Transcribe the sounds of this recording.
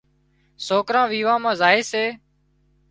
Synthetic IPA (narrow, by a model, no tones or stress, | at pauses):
soːkɾãːʋiːʋãːmãːzaːeːseː